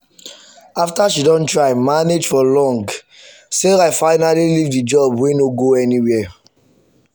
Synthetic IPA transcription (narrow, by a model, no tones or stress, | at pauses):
aftaʃidɔ̃ntɹaɪmaned͡ʒfɔlɔ̃ŋɡ | seaɪfaɪnalilivdid͡ʒɔbwenoɡoɛniwɛ